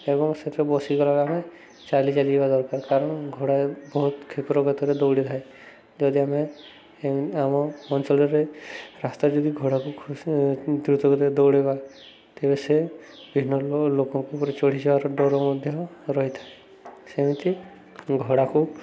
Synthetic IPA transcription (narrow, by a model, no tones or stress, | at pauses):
ebɔŋset̪ebɔsikɔlaɡame | t͡ʃalit͡ʃalid͡ʒbad̪ɔɾkaɾkaɾɔɽ̃ɡʱɔɽabɔɦut̪kʰipɾɔɡɔt̪ɔɾed̪ɔwɽit̪ʰae | d͡ʒɔd̪iame | amɔɔnsɔlɔɾeɾast̪aɾd͡ʒɔd̪iɡʱɔɽakukʰ | d̪ɾut̪ɔkɔt̪ed̪ɔwɽeba | t̪ebese | bʱinːɔlokɔŋkupɔɾet͡ʃɔɽ̤id͡ʒebaɾɔɖɔɾɔmɔd̪ʱjɔɾɔɦit̪ʰae | semit̪i | ɡʱɔɽaku